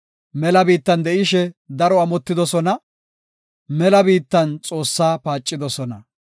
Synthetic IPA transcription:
mɛlɐbiːt̪ːɐnd̪ɛʔɪʃɛd̪ɐɾɔɐmɔt̪ːɪd̪ɔsɔnɐ | mɛlɐbiːt̪ːɐnt͡sʼo̞ːsːaːpaːt͡ʃʼːɪd̪ɔsɔnɐ

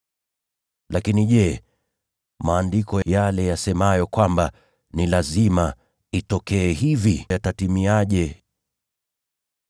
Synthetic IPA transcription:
lakiniʄɛ | maːndikɔjalɛjasɛmajɔkwamba | nilazima | itɔkɛːhivijatatimiaʄɛ

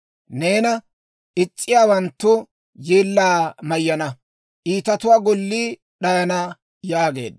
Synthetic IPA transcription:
ne̞ːnɐ | ʔɪt͡sʼːɪjaːwɐnt̪ːʊ | jeːlːaːmɐjːɐnɐ | ʔiːt̪ɐt̪ʊwaːɡɔlːiː | ɗɐjɐnɐ | jaːɡe̞̰ːd̪

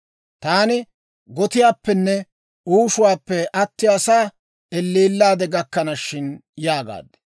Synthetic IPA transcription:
t̪aːnɪ | ɡɔt̪ɪjaːpːɛnːɛ | uːʃʊwaːpːɛʔɐt̪ːɪjɐsaː | ɛlːiːlːaːd̪ɛɡɐkːɐnɐʃːɪnjaːɡa̰ːd̪ɛ̥

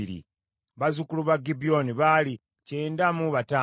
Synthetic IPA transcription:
iɾḭ | βazukuluβaɡibioniβali | ceːndamuβataː

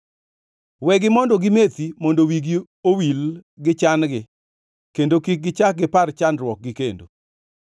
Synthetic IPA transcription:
wɛɡɪmɔndɔɡɪmet̪imɔndowiɡi | owilɡɪt͡ʃanɡɪ | kendokik̚ɡɪt͡ʃak̚ɡɪpart͡ʃanrwɔk̚ɡɪkendo̰

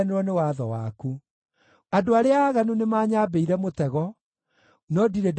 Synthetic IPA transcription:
neɾwɔnewaðɔwa̰ku | adoaɾeaːɣanunemaːɲaːbeiɾɛmotɛɣɔ | nɔdiɾed

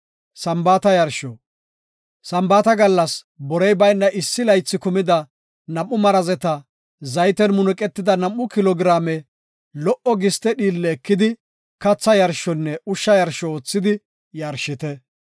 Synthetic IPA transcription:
sɐmbaːt̪ɐjɐɾʃɔ | sɐmbaːt̪ɐɡɐlːɐs | bɔɾɛjbɐjnːɐʔɪsːɪlɐjt͡sːɪkʊmɪd̪ɐ | nɐmːʊmɐɾɐzɛt̪ɐ | zɐjt̪ɛnmʊnʊkʼɛt̪ːɪd̪ɐnɐmːʊkɪlɔːɡɾaːmɛ | lɔʔɔɡɪst̪ɛɗiːlːɛːkːɪd̪ɪ | kɐt͡sːɐjɐɾʃɔnːɛʊʃːɐjɐɾʃɔoːt͡sːɪd̪ɪ | jɐɾʃɪt̪ɛ

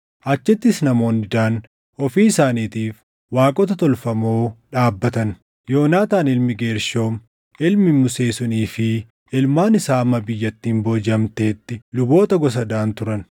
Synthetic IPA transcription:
ʔɐt͡ʃːɛt̪ːɪsnɐmo̞ːndɪd̪aːn | ɔfiːɪsaːniːt̪iːf | waːkʼɔt̪ɐt̪ɔlfɐmo̞ːᶑaːbːɐt̪ɐn | jo̞ːnaːt̪aːnɪlmɪɡeːɾʃo̞ːm | ɪlmɪmʊse̞ːsʊniːfɪ | ɪlmaːnɪsaːɐmːɐbɪjːɐt̪ːiːmboːd͡ʒɐmt̪e̞ːt̪ːɪlʊbo̞ːt̪ɐɡɔs̬ɐd̪aːnt̪ʊɾɐn

